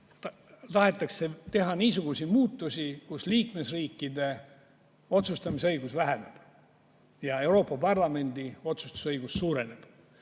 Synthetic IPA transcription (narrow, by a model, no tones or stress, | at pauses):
t̪ɑɦe̞t̪ːˑɑkset̪e̞ɦɑniːsuɡ̥usimuːt̪ːˑusʲikusliːkme̞sriːkːˑid̪e̞ | o̞t̪sust̪ɑmiseɤjɡusvæɦeneb̥ | jɑe̞wɾo̞ːpːˑɑpɑrlɑme̞nd̪io̞t̪sust̪u̥sɤjɡ̥usːuːɾe̞ne̞b̥